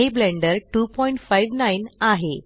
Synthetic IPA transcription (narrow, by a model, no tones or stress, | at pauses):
eblẽɳɖəɾʈuːpɔjiɳʈfajʋnainaɦe